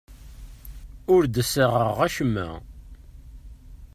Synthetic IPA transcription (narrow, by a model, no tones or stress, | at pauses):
ʊɾd̪əsəʁəʁæʃəmːæ̰